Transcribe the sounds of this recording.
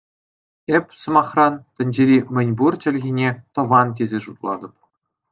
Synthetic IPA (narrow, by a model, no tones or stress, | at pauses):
epʲsɤ̆mɑχrɑnt̪ʲɘ̆nʲd͡ʑeɾʲimʲɘ̆nʲburt͡ɕɘ̆lʲɣʲinʲet̪ɤ̆ʋɑnt̪̬ʲezʲeʐut̪lˠɑ̰d̪ɤ̆p̚